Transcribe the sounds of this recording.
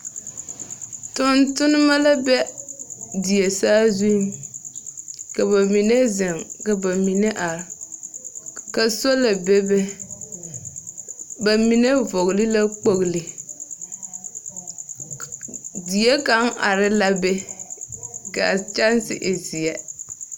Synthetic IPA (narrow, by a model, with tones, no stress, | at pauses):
tʊ˨ntʊ˦nɪ˦ma˦la˦bɛ˦ | di˨je˨saː˦zu˦n | ka˨ba˨mi˨ne˦zɪ˨ŋka˨ba˨mi˨ne˦ʔa˨ɾ | ka˨so˦la˨bɛ˦bɛ˦ | ba˨mi˨ne˦vɔ˨ɣlɪ˦la˦k͡po˨ɣlɪ˨ | di˨je˦ka˨˦ŋʔa̰˨ɾɪ˦la˦bɛ˦ | ka˨t͡ʃa˦nsɪ̰˦ʔe˨zi˨ɛ˦